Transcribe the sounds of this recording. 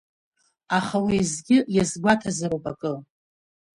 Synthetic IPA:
aχawijzɡʲɪjazɡʷatʰazaɾopʼakʼɨ

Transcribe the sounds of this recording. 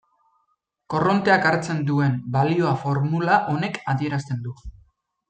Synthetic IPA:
ko̞ro̞nt̪e̞akaɾt͡se̞nd̪ue̞mbalio̞afo̞ɾmulaʔo̞ne̞kaðie̞ɾast̪e̞nd̪u

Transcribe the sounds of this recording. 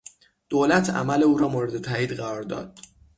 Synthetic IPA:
d̪̥oːlæt̪ʰæ̰mæleuːɾɒːmoɾed̪et̪ʰæːiːd̪ɢæɾɒːɾd̪ɒ̰ːd̪̥

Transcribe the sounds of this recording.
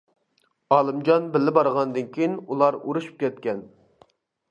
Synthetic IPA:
ɑːlˠɨmd͡ʒɑnbɪlːɪbɑɾʁɑnd̪ɨnkʲʰijinulˠɑɾuɾuʃu̥p̚kʲɛt̪̚kʲɛn

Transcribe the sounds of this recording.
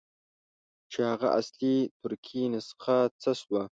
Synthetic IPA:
t͡ʃʰehaʁa̰ʔa̰slit̪ʰʊɾkʲʰinasqat͡sʰaswa

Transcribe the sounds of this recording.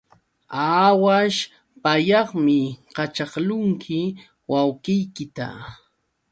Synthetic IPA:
awaʃ | pajɑχmɪqɑt͡ʃɑχlʊŋkʰɪ | wawqɪjkɪt̪a̰

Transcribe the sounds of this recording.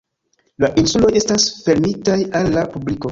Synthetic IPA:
laʔinsulo̞je̞stasfe̞ɾmitajalːapubliko̞

